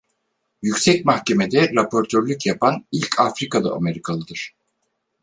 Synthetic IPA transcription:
jycʲsɛcmahce̞med̪ɛɾapʰo̞ɾt̪ʰøɾlʲycjapʰanilʲcʰafɾikalˠɯ̰ʔa̰me̞ɾikʰalˠɯd̪ɯɾ̥

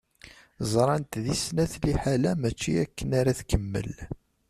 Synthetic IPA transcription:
zˤɾˤɑnt̪ðisnæθliħalæmæt͡ʃːiækːənaɾaθkəmːə̰l

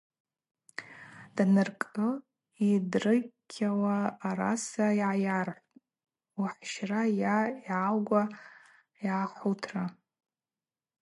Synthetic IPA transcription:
d̥nɨrkʼɨ | idrɨkʲʰːawaːɾa̰sajʕajarħʷʼ | uħʃrajaiʕalɡʷa | jaχʷutʰra

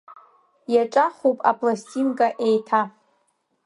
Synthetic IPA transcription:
jaʈ͡ʂʼaχopʼa̰pʰʼlasʲtʲʼinkʼaʔejtʰa

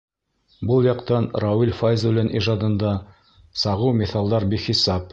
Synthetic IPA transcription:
bɤlˠjɑqt̪ɑnrawilʲfajzulʲɘnʔiʒɑd̪ɤ̆nd̪ɑ | sɑʁɤwmʲɪθɑlˠd̪ɑɾbiχisɑp̚

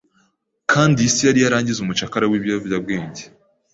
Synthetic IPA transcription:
kʰaːndiisijaɾijaɾaːɲɟizumut͡ʃakaɾawiːβavjabɡeːɲɟe

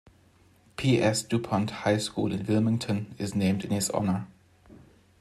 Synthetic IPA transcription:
pʰiʔɛsd̥upʰɔ̃nthaɪskṵːlɪ̰̃nwɪlˠmɪ̃ŋtʰə̃nɪznẽɪ̃mdɨ̃nhɪzɔ̰nə

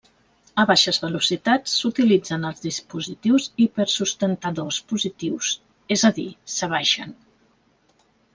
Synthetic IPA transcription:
əβaʃəzβəlusit̪at͡sːut̪ilid͡zənəlˠzðispuzit̪iwzipəɾsust̪ənt̪əðospuzit̪iws | ezəðisəβ̞aʃə̰n

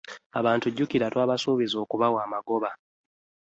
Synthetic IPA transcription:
aβaːntuɟːukiɾatwaːβasuːβizo̞ːkuβawaːmaɡo̞βa

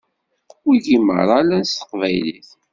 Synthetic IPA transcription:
wiʝimə̰ɾˤalænst̪ə̥qvæjlḭθ

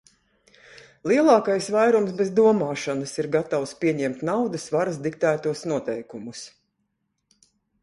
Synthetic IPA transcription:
lˠiɛlˠɑːkajsvajɾumsbɛzd̪uɔmaːʃanɨsiɾɡat̪awspʲiɛɲɛmt̪nawd̪ɨsvaɾasd̪ik̚t̪æːt̪uɔsnuɔt̪ɛjkumus

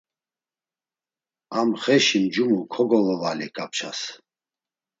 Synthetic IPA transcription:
amχɛʃimd͡ʒumukʰɔɡɔlɔvalḭkʼapt͡ʃʰa̰s

